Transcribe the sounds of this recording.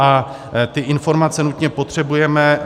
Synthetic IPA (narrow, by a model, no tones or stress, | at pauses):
a | t̪ɪʔɪnfo̞ɾmat͡sɛnut̪ɲɛpo̞t̪r̝̥ɛbujɛmɛ